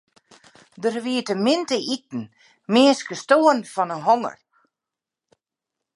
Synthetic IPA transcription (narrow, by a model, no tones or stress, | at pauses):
dərʋiətəmɪntəʔitn̩ | mɪːskəstoːənfɔnənɦɔŋə̰r